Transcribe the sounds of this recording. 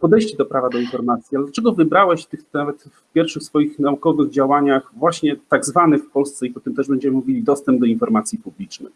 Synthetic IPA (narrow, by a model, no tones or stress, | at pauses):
pɔd̪ɛjɕt͡ɕid̪ɔpɾavad̪ɔinfɔɾmat̪sʲjialɛd̪lat͡ʂɛɡɔvɘbɾawɛɕt̪ɘxnavɛt̪fpʲjɛɾfʂɘxsfɔjixnaukɔvɘɣd͡ʑawaɲaxvwaɕɲɛt̪aɡzvanɘfpɔlst̪sɛipɔt̪ɛmt̪ɛʐbɛɲd͡ʑɛmɘmuvʲilʲid̪ɔst̪ɛmbd̪ɔinfɔɾmat̪sʲjipublʲit͡ʂnɘ̰